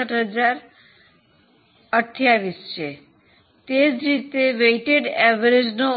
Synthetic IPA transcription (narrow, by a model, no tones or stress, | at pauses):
əʈɦəd͡ʒaɾ | əʈʰjaʋist͡ʃʰe | t̪ed͡ʒɾit̪eʋeʈeɖɛʋəɾed͡ʒno